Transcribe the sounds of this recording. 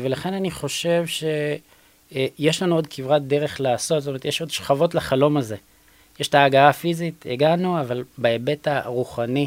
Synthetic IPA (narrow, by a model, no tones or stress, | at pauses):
velaχe̞naniχo̞ʃe̞vʃe̞ | jeʃlanuo̞dkivʁat̚d̪e̞ʁe̞χlaːso̞t̪zotomeetjeʃo̞d̪ʃχavo̞tlaχalo̞maze̞ | jeʃtaːɡaafiziteɡanuavalbaebetaʁuχani